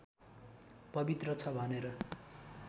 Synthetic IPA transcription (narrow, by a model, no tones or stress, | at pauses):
pʌbit̪rʌt͡sʰʌbʱʌneɾʌ